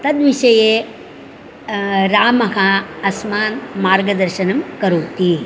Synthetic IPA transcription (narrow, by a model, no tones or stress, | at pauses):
t̪ɐd̪ʋiʃɐjeː | ɾaːmɐɦɐɐsmaːnmaːɾɡɐd̪ɐɾʃɐnɐmkɐɾuːt̪i